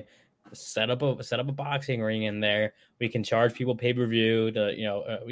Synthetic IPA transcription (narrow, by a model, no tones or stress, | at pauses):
sɛɾʌpəsɛɾʌp̬əbɑksɪ̃ŋɹɪ̃ŋɨ̃nðə˞ | wikʰɨ̃n̩t͡ʃʰɑɹd̥ʒ̥pʰipl̩ˠpʰeɪpə˞vjʉɾɨjʔɨ̰noʊʔʌwi